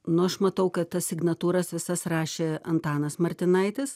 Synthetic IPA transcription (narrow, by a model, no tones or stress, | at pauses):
nʊɐʃmɐt̪ɐʊkɐt̪t̪ɐsʲsʲɪɡnɐt̪uːɾɐsʋʲɪsɐsrɑːʃʲeːɐnt̪ɑːnɐsmɐɾʲt̪ʲɪnɐɪt̪ʲɪs